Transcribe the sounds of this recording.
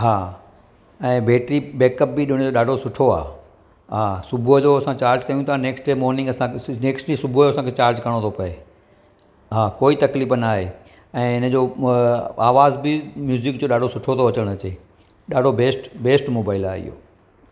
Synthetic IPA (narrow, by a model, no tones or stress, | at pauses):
ɦaː | ɛ̃ːbeːʈɾibeːkəp̚bɪɗɪɽ̃d͡ʑoːɗaːɖʱosʊʈʰoa̰ː | ɦaːsʊbʱud͡ʑoɐsãt͡ɕaːɾd͡ʑkɐjũt̪ʰaneːksʈemɔːɾnɪ̃ŋɡɐsãneːksʈisʊbʱuoːɐsãːkʰeːt͡ɕaːɾd͡ʑkɐɽ̃ot̪ʰopɐe | ɦaːkoːit̪ɐkliːfənaːɦeː | ɛ̃ːɪnə̆d͡ʑo | aːʋaːzbɪmjuːzɪk̚d͡ʑoːɗaːɖʱosʊʈʰot̪ʰoɐt͡ɕəɽ̃ɐt͡ɕeː | ɗaːɖʱobeːsʈbeːsʈmoːbaːɪlaːɦɪ̰ɦo̰ː